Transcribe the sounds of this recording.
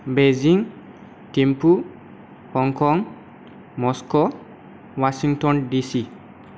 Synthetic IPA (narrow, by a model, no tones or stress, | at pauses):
beziŋ | tempu | hɔŋkɔŋ | mɔsko | wasiŋtɔndisi